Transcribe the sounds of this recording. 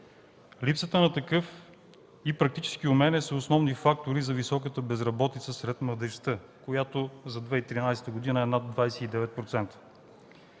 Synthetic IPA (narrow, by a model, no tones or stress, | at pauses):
lipsət̪ənɐt̪ɐkɤf | ipɾɐk̚t̪it͡ʃɛ̥sk̟iʊmɛnɛsəosnɔvnifak̚t̪oɾizɐvisɔkət̪əbɛzɾɐbɔt̪it̪səsɾɛt̪mlˠəd̪ɛʃt̪əkojat̪ozɐd̪vɛit̪ɾinajsɛ̥t̪əɡod̪inəɛnad̪̚d̪vajsɛid̪ɛvɛt̪̚pɾot̪sɛnt̪ə̥